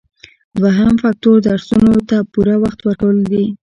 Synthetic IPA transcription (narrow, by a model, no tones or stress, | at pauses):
d̪waɦamfak̚t̪oɾd̪əaɾsunot̪apuɾawaxt̪waɾkawəld̪i